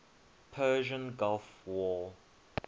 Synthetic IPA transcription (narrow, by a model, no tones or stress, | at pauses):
pʰɜːʒə̃nɡalfwɔ